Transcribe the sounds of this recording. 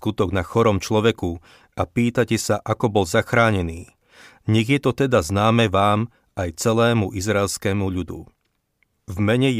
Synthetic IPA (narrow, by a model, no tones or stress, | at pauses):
kut̪ɔɡnaxɔɾɔmt͡ʃlɔʋɛku | apiːt̪acɛsaʔakɔbɔlzaxɾaːɲɛniː | ɲɛɣjɛt̪ɔt̪ɛd̪aznaːmɛʋaːm | ajt͡sɛlɛːmuʔizɾaɛlskɛːmuʎud̪ṵ | vmɛɲɛ